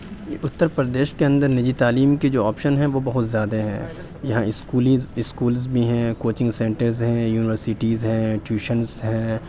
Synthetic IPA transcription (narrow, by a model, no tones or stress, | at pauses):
ʊt̪ːəɾpɾəd̪eːʃkeɐ̃nd̪əɾnɪd͡ʒit̪aːliːmked͡ʒoːaːpʃənɦɛ̃ʋobɐɦʊt̪zjaːd̪aɦɛ̰̃ | jɐɦãɪskuːliɪskuːlzbʱiɦɛ̃koːt͡ʃɪ̃ŋɡsẽːɳʈəɾzɦɛ̃juːnɪʋəɾsɪʈiːzɦɛ̃ːʈjuːʃənsɦɛ̃ː